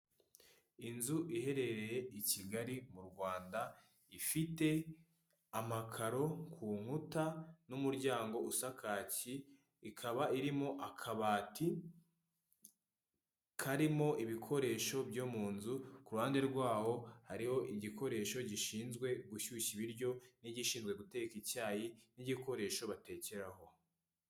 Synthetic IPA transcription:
inzuʔihe̞ɾe̞ɾe̞jeiciɡaɾimuɾɡwaːnda | ifite̞ | amakʰaɾo̞kʰuːŋ̥hutanumuɾɟaːŋɡo̞usakʰaːciː | kʰaβaiɾimo̞ʔakʰaβaːtʰi | kʰaɾimo̞ʔiβikʰo̞ɾe̞ʃo̞bɟoːmuːnzukuɾuhaːnde̞ɾɡwaːho̞haɾiho̞ʔiɟiko̞ɾe̞ʃo̞ɟiʃiːnzɡwe̞ɡuçuɕiβiɾɟo̞niɟiʃiːnzɡwe̞ɡute̞ɡkicaːjiniɟiko̞ɾe̞ʃo̞βate̞ːce̞ɾaho̞

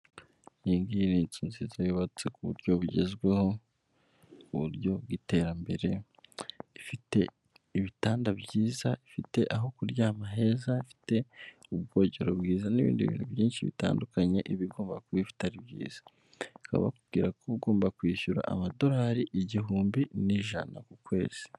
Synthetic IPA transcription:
jiːŋɡiɾint͡sunzizajoβat͡se̞kuβṵɾɟo̞βuɟe̞̰zɡwe̞ho̞ | uβṵɾjo̞bɡite̞ɾambe̞ɾe̞ | ifite̞̰ | iβitaːndabjiːzaifite̞ʔaɦo̞kuɾɟamaɦe̞zaifi̥te̞ub̚ɡo̞ːɟe̞ɾobɡiːzaniβḭːndiβḭːnhuβjiːnʃiβḭta̰ːndukaɲe̞ʔiβiɡo̞ːmbakwifi̥taɾibjḭːz̥ḁ | ka̰βa̰kub̚ɡiːɾakʰoβuɡo̞ːmbakwiːʃuɾa̰ʔa̰mado̞ɾaːɾiʔiɟiɦuːmbiniʒa̰na̰kukwe̞ːz̥i̥

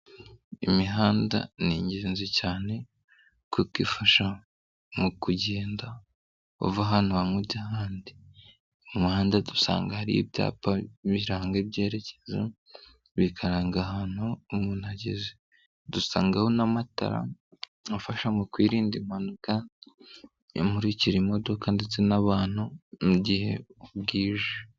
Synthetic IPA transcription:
imiɦaːnda̰niɲɟeːnzicaːne̞ | kukifaʃa | mukuɟeːnda | ṵvaɦan̥huβamuɟahaːndi | uumuhaːndadusa̰ːŋɡahaɾḭjḭbja̰ːpaβiɾaːŋɡib̚ɟe̞ːɾe̞ce̥za | βikʰaɾaːŋɡahan̥huːmunhaɟḛze | dusa̰ːŋɡahonamata̰ɾa̰ | afaʃamukwiːɾiːndimhanuka | o̰mhuɾiciɾimo̞do̞kandet͡se̞naβaːn̥umuɟihe̞̰ubɡiːʒe

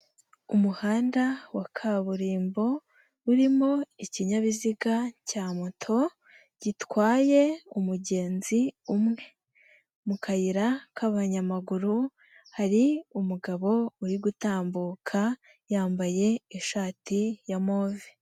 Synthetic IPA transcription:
umuhaːndawakʰaβuɾiːmbo̞ | uɾimo̞iciɲaβiziɡacaːmotʰo̞ | ɟ̥itwaːje̞umuɟe̞ːnziumŋe̞ | mukʰajiɾakʰaβaɲamaɡuɾu | haɾiumuɡaβo̞uɾiɡutaːmbuːkʰa | jaːmbaje̞eʃaːtijamoːvi

